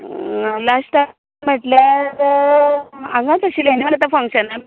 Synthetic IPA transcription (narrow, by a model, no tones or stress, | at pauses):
lasʈa | m̤əʈla | ãŋɡãt͡səɕileniʋəɽt̪afə̃ŋkɕənːa